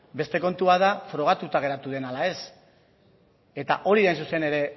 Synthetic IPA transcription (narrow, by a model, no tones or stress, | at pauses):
be̞st̪e̞ko̞nt̪uaðafɾo̞ɣ̞at̪ut̪aɣ̞e̞ɾat̪uðe̞nalae̞s | e̞t̪a̰ʔo̞ɾiðajnsuse̞ne̞ɾe̞